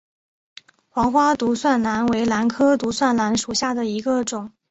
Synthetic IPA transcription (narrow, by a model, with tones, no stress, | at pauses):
xwɑ˧˥ŋxwa˥t̪u˧˥swa˥˩nla˧˥nwe˧˥ɪla˧˥nkʰɤ˥t̪u˧˥swa˥˩nla˧˥nʂu˨˩ɕja˥˩d̪ə˩i˧˥ɡə˧ʈ͡ʂʊ˨˩˦ŋ